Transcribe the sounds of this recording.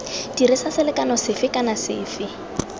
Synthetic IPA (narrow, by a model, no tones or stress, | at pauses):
d̥iɾisasɪlɪkʼanɔsɪfɪkʼanasɪ̰ːfɪ